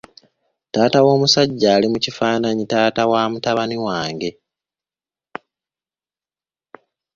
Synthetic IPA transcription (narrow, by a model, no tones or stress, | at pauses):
taːtawo̞ːmusaɟːaːlimucifaːnaɲitaːtawaːmutaβaniwaːŋɡe̞